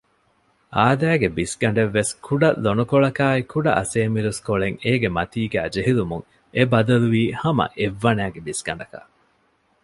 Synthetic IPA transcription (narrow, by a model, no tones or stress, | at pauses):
ʔaːd̪æːɡebisɡɐɳɖeʋːeskʰuɖɐlonukoɭɐkaːikuɖɐ̰ʔɐseːmiɾuskoɭeŋeːɡemɐt̪iːɡæːd͡ʒeɦilumuŋ | ebɐd̪ɐluʋiːhɐmɐ̰ʔeʋːɐnæːɡebisɡ̥ɐɳ̆ɖɐkɐ̰